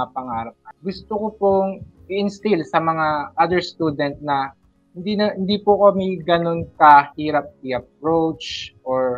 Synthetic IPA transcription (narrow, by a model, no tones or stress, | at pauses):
ɐpɐŋaːɾɐp̚kɐɡʊst̪okopoŋʔɪʔɪnst̪ɪlsɐmɐŋaʔɐd̪ɛɹst̪uːd̪ɛnt̪̚nɐ | hɪnd̪inɐhɪnd̪ipʊkɐmiɡɐno̞nkɐhiːɾɐp̚tiʔɐp̚ɾowt͡ʃʔoɹ